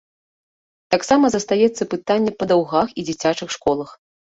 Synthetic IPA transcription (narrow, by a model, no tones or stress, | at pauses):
t̪aksamɐzɐst̪ajɛt̪sːɐpɨt̪anʲːɛpɐd̪awɣaxid͡zʲit͡sʲat͡ʂɨxʂkɔlˠɐx